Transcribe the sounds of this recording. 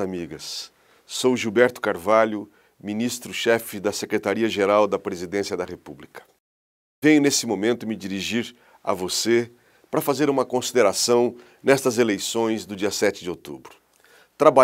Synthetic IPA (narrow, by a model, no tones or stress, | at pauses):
amiɡɐsː | owʒubɛɾt̪ʊ̥kaɾvaʎʊ | mĩnist̪ɾʊʃɛfɪd̪ɐsekɾet̪aɾiɐʒeɾawd̪ɐpɾezid̪ẽsiɐd̪ɐɦepṵblikɐ̥ | vẽjʊnesɪmõmẽnt̪ʊmɪd͡ʒiɾiʒiɾ | ɐ̰vose | pɾɐfazeɾũmɐkõsid̪eɾasɐ̃w̃ | nɛst̪ɐzelejsõj̃zd̪ʊd͡ʒiɐsɛt͡ʃɪd͡ʒɪot̪ṵbɾʊ | t̪ɾaba